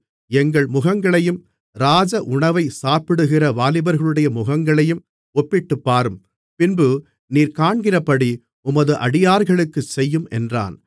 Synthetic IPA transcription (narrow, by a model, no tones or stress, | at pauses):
ɛŋɡɐɭmʊɣɐŋɡɐɭɐjɯm | ɾaːd͡ʒɐʔʊɳɐʋɐɪsaːpɪɽɯɣɪrɐʋaːlɪbɐɾɣɐɭɯɽɐjɐmʊɣɐŋɡɐɭɐjɯm | ɔpːɪʈːɯpːaːɾɯm | pɪnbɯ | niːɾkaːɳɡɪɾɐpːɐɽi | ʊmɐðɯʔɐɽɪjaːɾɣɐɭɯkːɯsɛjːɯmɛ̰ndra̰ːn